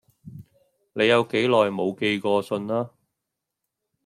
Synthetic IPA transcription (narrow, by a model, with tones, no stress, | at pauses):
ne˨˧jɐ˨˧wke˨˥jlɔː˨˩jmo˨˧wke˧jkɔː˧sɵ˧nlaː˥